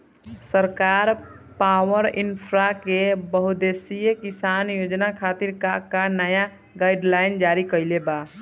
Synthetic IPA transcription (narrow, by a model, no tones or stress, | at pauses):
səɾkaɾ | pawəɾinpʰɾakebəɦud̪esijekisanjod͡ʒnakʰat̪iɾkakanəja | ɡaiɖlaɪnd͡ʒaɾikəɪleba